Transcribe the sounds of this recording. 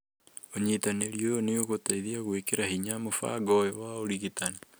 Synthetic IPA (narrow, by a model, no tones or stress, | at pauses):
oɲitaneɾioneoɣotaiðiaɣwekeɾahiɲamofa̰ɡɔjɔwaoɾiɣitana